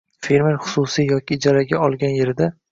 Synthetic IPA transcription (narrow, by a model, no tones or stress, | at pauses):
fe̞ɾmeɾχʊ̥sʊsijjɒkʲɪːd͡ʒaɾaɡʲaɒlˠɡʲanje̞ɾɪd̪a